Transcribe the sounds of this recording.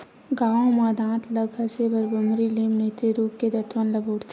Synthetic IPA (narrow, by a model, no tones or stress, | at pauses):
ɡaːõmãd̪ãːt̪ʰləɡɐsebəɾbəmɾiliːmnet̪eɾuːkked̪ɐt̪ʰʋənlɐboːɽt̪ʰ